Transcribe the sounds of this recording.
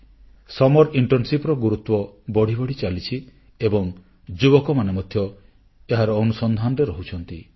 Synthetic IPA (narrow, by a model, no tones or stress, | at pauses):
sɔmɔɾiɳʈɔɾnsipɾɔɡuɾut̪wɔbɔɽ̤ibɔɽ̤it͡ʃalit͡ʃʰi | ebɔŋ | d͡ʒubɔkɔmanemɔd̪ʱjɔ | eɦaɾɔːnusɔnd̪ʱanɔɾeɾɔɦut͡ʃʰɔnt̪i